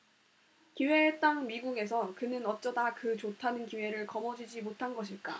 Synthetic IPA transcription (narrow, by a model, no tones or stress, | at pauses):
kiwe̞t͈aŋmiɡuɡe̞s̬ʰʌkɯnɯnʌt͡ɕ͈ʌdakɯt͡ɕotʰanɯnkiwe̞ɾɯɭkʌmʌd͡ʑid͡ʑimotʰanɡʌɕ̬ʰiɭk͈a̰